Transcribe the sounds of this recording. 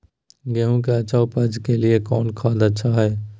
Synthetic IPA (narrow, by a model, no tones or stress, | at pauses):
ɡeːɦũk̬eɐt͡ʃaːopɐd͡ʒkeliekɔːnkʰaːd̪ɐtːʃʰaɦɛː